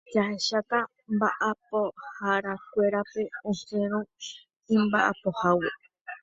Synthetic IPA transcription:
d͡ʒaheʃaka | mbaʔapohaɾak̚ʷeɾape̞õsẽɾ̃õ | ĩmbaʔa̰po̞hawe

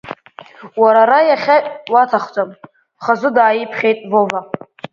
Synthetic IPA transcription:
waɾaɾajaχʲawatʰaχʷt͡sʼam | χazʷʊdaːjipʰχʲe̞jtʼvova

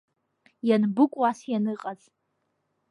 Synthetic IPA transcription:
janbɨkʷʼwasjanɨqʼazʼ

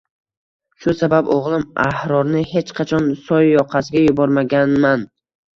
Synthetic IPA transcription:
ʃʊsababoʁlˠɪmahɾɒɾnɪhe̞t͡ʃqʰɑt͡ʃʰɒnsɒjːɒqʰɑsɪɡʲajʊbɒɾmaɡʲanman

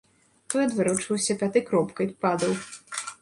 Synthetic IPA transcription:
t̪ɔjɐd̪vɨɾɔt͡ʂɨwsʲɐpʲat̪ɨkɾɔpkɐj̪pad̪ɐw

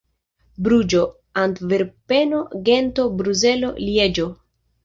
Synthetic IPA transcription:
bɾud͡ʒo̞ | ant̪veɾpeno̞ɡent̪o̞bɾuze̞lo̞̰lied͡ʒo

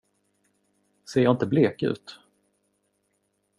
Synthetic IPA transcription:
seːɾjɑːɪnt̪əbleːkʉ̟̰ːt̪

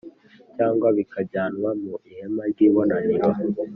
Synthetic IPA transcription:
caːŋɡwaβikʰaɟaːnwamuʔihemaɾɡiːβonaɲiɾwa

